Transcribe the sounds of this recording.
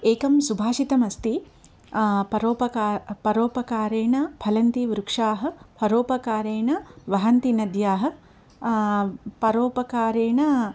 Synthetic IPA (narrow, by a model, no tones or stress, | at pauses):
eːkɐmsubʱaːʃit̪ɐmɐst̪i | pɐɾoːpɐpɐɾoːpɐkaːɾeːɳɐpʰɐlɐnt̪iʋɾukʂaːɦɐ̆pʰɐɾoːpɐkaːɾeːɳɐʋɐɦɐnt̪inɐd̪jaːɦɐ̆ | pɐɾoːpɐkaːɾeːɳɐ